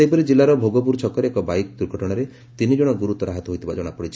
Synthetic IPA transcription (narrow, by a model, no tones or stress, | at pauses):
ejpɔɾid͡ʒilːaɾɔbʱoɡɔp̬uɾt͡ʃʰɔkɔɾeekɔbajk̚d̪uɾɡʱɔʈɔɽ̃ɔɾe | t̪inid͡ʒɔɽ̃ɔɡuɾut̪ɔɾaɦat̪ɔɦojt̪ʰibad͡ʒɔɽ̃apɔɽit͡ʃʰi̥